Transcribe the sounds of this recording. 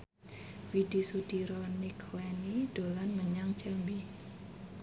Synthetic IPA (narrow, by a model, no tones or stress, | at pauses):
fid̥isud̪̥iɾɔnikʰlɛnid̥olanməɲaŋt͡ʃəmbi